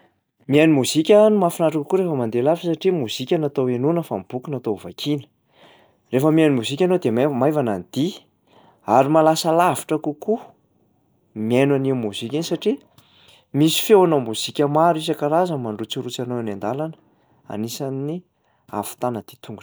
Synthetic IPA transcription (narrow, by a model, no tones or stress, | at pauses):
mianimuzikʲanimafinaʈ͡ʂakukuɾefəmand̪elafisaʈ͡ʂimuz̥ikʲənat̪owenunəfamib̥ukunat̪ova̰kinə̥ | refəmiajnimuz̥ikʲanod̪emamajvanand̪i | aɾimalasəlaviʈ͡ʂəkuku | mienwanimuz̥ikʲinisaʈ͡ʂi | misi̥fewanomuz̥ikʲəmaɾuizakaɾazəmaɳɖ͡ʐut͡suɾut͡sanoanand̪alan | a̰nisanːi | a̰fu̥t̪anəd̪̥i̥t̪uŋɡu̥